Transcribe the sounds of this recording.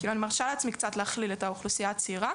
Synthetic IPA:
kiːluanimaʁʃaleat͡smikt͡sat̪leaχliletauχlusijat͡siːʁa

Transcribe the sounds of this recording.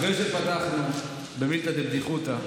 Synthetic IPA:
ʁejʃet̪̚pat̪aχnu | bemilt̪at̪ebd̪iχut̪a

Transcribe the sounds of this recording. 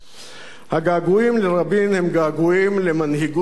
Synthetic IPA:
haɡaːɡuimleɾɐbinhemɡaːɡuimlemɐnɦiɡu

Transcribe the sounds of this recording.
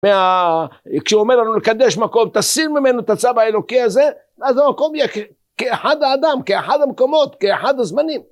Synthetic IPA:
mea | kʃomeɾlanulkad̪ːeʃmakomt̪asiɾmɪmenot̪at͡sabaelokiaze | bʔazamakomjek | keʔħad̪aad̪amkeaħad̪amkomot̪keaħad̪azmaniːm

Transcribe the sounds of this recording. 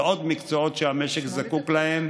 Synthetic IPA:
od̪mikt͡soo̞t̪ʃeameʃekzakuklahe̞m

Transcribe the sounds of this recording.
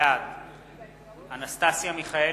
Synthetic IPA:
ad̪ | anast̪asjamiχae

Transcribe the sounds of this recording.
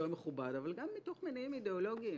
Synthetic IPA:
omeχubadavalɡamːito̞χmenaimideolo̞ɡii

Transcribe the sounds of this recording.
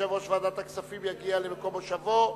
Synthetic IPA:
avoʃvaːd̪at̪aksafimjaɡialemeko̞moʃavo

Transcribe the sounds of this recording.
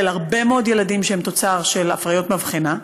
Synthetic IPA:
elhaʁbemeo̞d̪je̞lad̪imʃeemt̪o̞t͡saʁʃela̰fʁajo̞t̪mavχina

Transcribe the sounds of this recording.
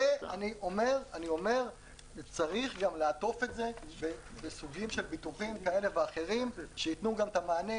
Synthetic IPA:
eaniʔo̞me̞ʁanio̞me̞ʁ | t͡saʁiχɡamleat̪o̞fetze̞bebesuɡimʃe̞lbit̪uχimkae̞le̞veaχe̞ʁimʃeit̪nuɡamt̪amaːne

